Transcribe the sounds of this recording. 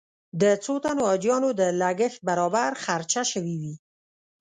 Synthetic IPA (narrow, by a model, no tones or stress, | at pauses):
d̪ət͡sot̪anoːd͡ʒjɑnod̪əlaɡəxt̪̚baɾɑbaɾxaɾt͡ʃaʃəwiwi